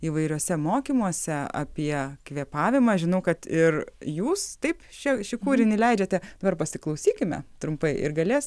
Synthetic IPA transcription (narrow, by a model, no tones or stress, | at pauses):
iːʋɐɪɾʲuɔsʲɛmoːkʲiːmuɔsʲɛɐ̰pʲiɛkʋʲiɛpɑːʋʲɪmɐʒʲɪnɐʊkɐt̪ɪrjuːst̪ɐɪpt͡ʃʲɛʃʲɪkuːɾʲɪnʲɪlʲɛɪd͡ʒʲɛt̪ʲɛd̪ɐbɐrpɐsʲɪklˠɐʊsʲiːkʲɪmʲɛ̰t̪ɾʊmpɐɪʔɪ̰ɾɡɐlʲeːs